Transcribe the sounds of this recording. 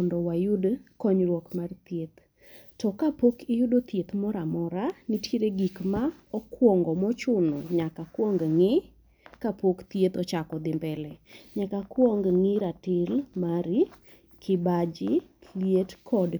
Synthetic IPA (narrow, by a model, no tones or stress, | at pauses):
ɔndɔwajʊdkɔɲɾwɔkmart̪jet̪ | tɔkapokɪjʊdot̪jet̪mɔɾamɔɾanɪtjeɾeɡikma | ɔkwɔŋɡɔmɔt͡ʃʊnɔɲakakwɔŋɡŋɪ | kapokt̪jet̪ɔt͡ʃakɔd̪ɪmbɛlɛɲakakwɔŋɡŋɪɾatɪlmaɾi | kʰɪbad͡ʒɪlijetkʰɔd